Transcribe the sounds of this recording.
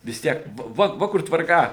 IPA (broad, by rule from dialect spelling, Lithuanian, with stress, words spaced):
ʋʲɪs ˈtʲiɛk ˈʋɐ ʋɐ ˈʋɐ kʊr tʋɐrˈkɐ